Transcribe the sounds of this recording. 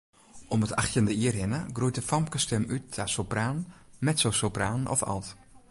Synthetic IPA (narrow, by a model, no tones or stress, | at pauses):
ʔɔməta̰xtjəndəiərhɪnəɡrujt̚əfɔmpkəstɛmyt̚asopraːnmɛtsoːsopraːnɔ̰fa̰lˠt